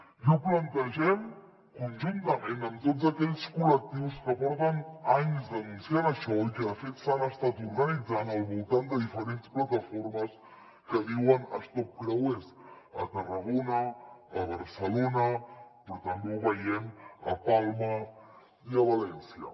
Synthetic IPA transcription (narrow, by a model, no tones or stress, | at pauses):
uplənt̪əʒɛm | kunʒunt̪əmenəmt̪ozəkɛʎskulək̚t̪iwskəpɔɾðənaɲzd̪ənunsjaɾəʃɔikəðəfet̪sanəst̪at̪uɾɣənid͡zanəlˠβulˠt̪and̪əðifəɾensplət̪əfoɾməs | kəβiwənəst̪ɔp̚kɾawes | ə̰t̪ərəɣonəːβəɾsəlonəpəɾt̪əmbeβəjɛmə̰palˠmə | iəβəlɛnsiə̰